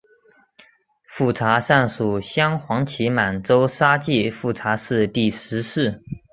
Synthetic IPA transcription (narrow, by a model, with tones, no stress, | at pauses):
fu˥˩ʈ͡ʂʰa˧˥ʂa˥˩nʂu˨˩ɕjɑ˥ŋxwɑ˧˥ŋt͡ɕʰi˧˥ma˨˩nʈ͡ʂo˥ʊʂa˥t͡ɕi˥˧fu˥˩t͡sʰa˧˥ʂɻ̩˥˧t̪i˥˩ʂɻ̩˧˥ʂɻ̩˥˩